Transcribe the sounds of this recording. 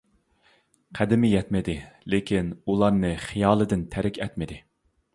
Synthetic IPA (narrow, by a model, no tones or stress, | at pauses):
qʰæd̪ɪmɪjɛt̪mɪd̪ɪlɪkʲʰinulˠɑɾnɨχijɑːlˠɨd̪ɪnt̪ʰæɾɪkʲʰɛt̪mɪd̪ɪ